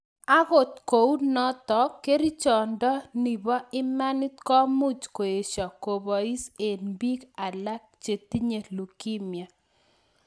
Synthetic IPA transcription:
a˦ɣo˨t̪ko˨u˦nɔ˦t̪ɔ˨˦ke˦ɾi˦t͡ʃɔ˨ndɔ˦ni˨bɔ˦ɪ˦ma˦ni˦t̪kɔ˦mu˦t͡ʃko˨e˨ʃɔ˨ko˨bɔ˨i˦se˨nbi˦ka˨la˦k̚t͡ʃe˨t̪i˦ɲe˨lu˨ki˦mja˨

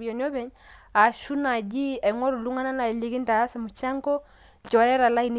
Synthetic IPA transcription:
bijo˨ni˦ɔ˦bɛ˨˦ɲ | a˨ʃu˦na˨ɟi˦ɛ˨ŋɔ˦ɾu˨lu˦ŋa˦na˦na˨li˦ki˦nta˨a˦sɛ˨mu˨t͡ʃa˦ŋkɔ˦˨ | t͡ʃɔ˨ɾɛ˦ɾa˨la˦i˨n˦

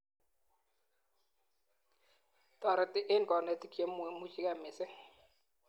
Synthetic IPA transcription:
tɔ˨ɾɛ˨tɪ˦ʔɪ˦nkɔ˨nɛ˨ti˦kje˦mu˨mu˦t͡ʃi˦kɛ˦˨mɪ˨sɛ˦

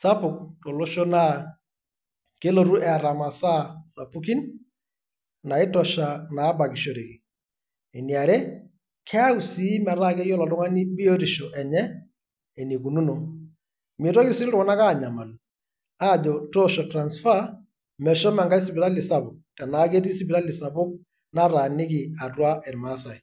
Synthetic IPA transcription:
sa˦pʊ˨k̚to˨lo˦ʃɔ˦na˦ | ke˦lo˦ɾu˦ʔɛ˨a˨ɾa˨ma˨sa˦sa˨pu˦ki˦n | na˨ɪ˦tɔ˨ʃa˨na˨˦ba˨ki˨ʃo˦ɾe˨ki˨ | e˨ni˨a˨ɾɛ˦ | kʰɛ˦a˦ku˨si˦mɛ˨ɾa˦kɛ˦jɔ˦lɔ˨tʊ˦ŋa˦ni˦bi˦o˦ɾi˨ʃɔ˨ʔɛ˨ɲɛ˦ | e˨ni˨ku˨nu˦no˨ | mi˨tɔ˦kɪ˦sɪ˦ltʊ˦kɔ˦na˦ka˦˨ɲa˨ma˨l | a˦˨d͡ʒɔ˨tɔ˦ʃɔ˨tɾa˨nsfa˦ | mɛ˨ʃɔ˦mɛ˨ŋɡa˦si˨bɪɾa˦li˨sa˦bʊ˨k̚tɛ˨na˨˦ke˦ti˦si˦bi˨ɾa˦li˨sa˨bʊ˦k̚ | na˦ɾa˨nɪ˦kɪ˨a˨twa˦ʔɛ˨ɾma˦sa˨j

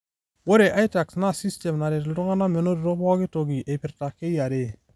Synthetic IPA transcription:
wo˦ɾe˨ʔa˦jta˨ksna˦si˦ste˨mna˨ɾe˨tldʊ˦ŋa˦na˦me˨no˦ɾɾo˦bɔ˦ɡɪ˦to˨ɡi˨ʔe˨pɪ˨ɾta˨ke˦ja˨ɾe˦˨

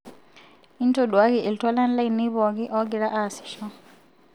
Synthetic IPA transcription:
i˦ntɔɗwa˦ɣi˨ʔi˨ltwa˦la˦n̩˦la˦i˨ni˦βɔ˨ɣi˦ʔɔ˦ɡi˨ɾa˦ʔa˨si̥ʃɔ

